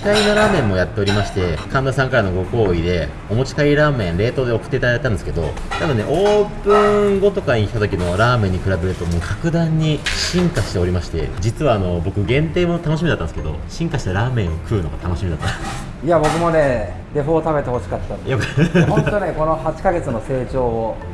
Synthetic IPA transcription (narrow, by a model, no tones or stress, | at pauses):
k̪aino̞ɾaːmẽ̞mːo̞jat̪ːe̞o̞ɾʲimaɕi̥t̪e̞kãnd̪asãŋkaɾano̞ɡo̞ko̞ːid̪e̞ | o̞mo̞t͡ɕi̥kaiɾaːmẽ̞ɰ̃ɾe̞ːt̪o̞d̪e̞o̞kɯ̥t̪ːeit̪at̪ːãnd̪eɨ̥ke̞d̪o̞̰ | t̪abɯ̟nːe̞̰ʔo̞ːpɯ̟̃ɡo̞t̪o̞kaɲ̟ikʲi̥t̪at̪o̞kʲino̞ɾaːmẽɲ̟ːikɯ̟ɾabe̞ɾɯ̟t̪o̞mo̞ːkakɯ̟d̪ãɲ̟ːiɕĩŋkaɕi̥t̪e̞o̞ɾʲimaɕi̥t̪e̞̰d͡ʑit͡sɨβaːno̞bo̞kɯ̟ɡẽ̞nt̪e̞ːmo̞t̪anoɕimʲid̪at̪ːãnske̞d̪o̞̰ɕĩŋkaɕi̥t̪aɾaːmẽ̞ɰ̃okʰɯ̟ːno̞ɡa̰t̪ano̞ɕimʲid̪at̪ːas | iabo̞kɯ̟mo̞neː | d̪e̞ɸoːt̪abe̞t̪e̞ho̞ɕi̥kat̪ːajokaot̪oneko̞no̞hat͡ɕi̥kaɡe̞t͡sɨno̞se̞ːt͡ɕo̞ːo